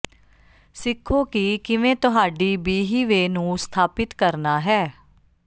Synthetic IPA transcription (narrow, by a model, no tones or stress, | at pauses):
sɪkʰːoːkiːkɪʋẽːt̪ʊɦaːɖiːbiːɦiːʋeːnũːst̪ʰaːpɪt̪kəɾnaːɦɛː